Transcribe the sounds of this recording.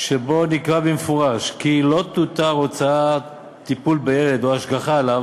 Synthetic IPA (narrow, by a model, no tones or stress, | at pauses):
ʃebo̞nikʁabemefoʁaʃkilot̪ut̪aʁo̞t͡sa | t̪ipulbejeled̪oaʃɡaχaːlav